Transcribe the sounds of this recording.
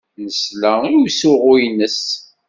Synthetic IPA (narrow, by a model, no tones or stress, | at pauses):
nəslæiwsʊʁʊjnəs